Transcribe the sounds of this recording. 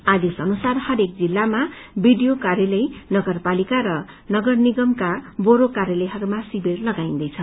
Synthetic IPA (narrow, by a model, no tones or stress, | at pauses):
ad̪isʌnusarhʌɾek̚d͡zilːamabiɖijokarjelʌjnʌɡʌrpalikaɾʌ | nʌɡʌrniɡʌmkaboɾokarjelʌjɦʌɾumasibirlʌɡaĩnd̪ʌjt͡sʰʌ